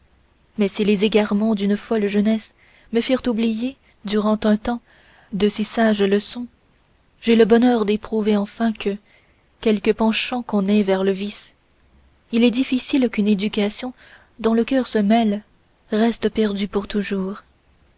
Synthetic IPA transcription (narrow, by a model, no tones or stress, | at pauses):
mɛsilezeɡaʁmɑ̃d̪ynfɔlʒənɛs | məfiʁt̪ublije | d̪yʁɑ̃t̪ɛ̃t̪ɑ̃ | d̪əsisaʒləsɔ̃ | ʒeləbɔnœʁd̪epχuveɑ̃fɛ̃kʰə | kʲɛlkəpɑ̃ʃɑ̃kɔ̃nɛvɛʁləvis | ilɛd̪ifisilkyned̪ykasjɔ̃ | d̪ɔ̃ləkʲœʁsəmɛl | ʁɛst̪əpɛʁd̪ypuʁt̪uʒuːʁ